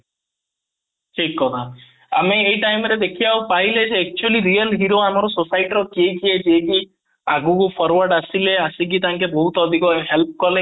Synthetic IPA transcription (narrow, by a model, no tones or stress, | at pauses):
ʈʰikːɔt̪ʰa | a̰meejʈajmɾed̪ekʰijawpaɦiled͡ʒeːk̚t͡ʃuəliɾiəlɦiɾoamaɾɔsosajʈɾɔkiekied͡ʒieki | aɡukopʰɔɾwaɾɖasileasik̬it̪aŋkebɔɦut̪ɔd̪ʱikɔɦelp̚kɔle